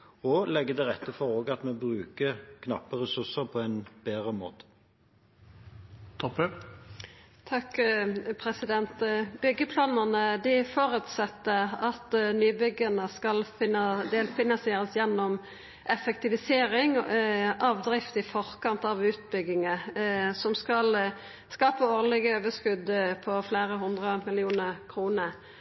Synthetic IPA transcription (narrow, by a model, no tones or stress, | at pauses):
ɔlɛɡːəd̪ɛʁɛt̪ːəfɔʁoːɡɑt̪mebʁʉːkəkʰnɑ̰pːəʁɛsʉsəʁpʰɔɛnb̥eːʁəmo̰ːt̪ə̥ | t̪ʰɔpə | t̪ʰɑkpʰʁɛsɪd̪ɛnt̪bʏɡːəpʰlɑːnənəd̪ɪfoːɾʉt̪sɛt̪ːəʁɑt̪nyːbʏɡənəskɑlfɪnəd̪elfɪnɑnsjeːɾəsjɛnːɔm | ʔɛfɛkt̪ɪʋɪseːɾɪŋ | ɑʋd̪ɾɪft̪ɪfɔʁkɑnt̪ɑʋʉːt̪̚bʏɡɪŋəsɔmskɑl | skɑːpəoːʁlɪɡəøːʋəskʉd̪pʰɔfleːɾəɦʊnd̪ʁəmɪlɪuːnəʁkʰʁuːnəɾ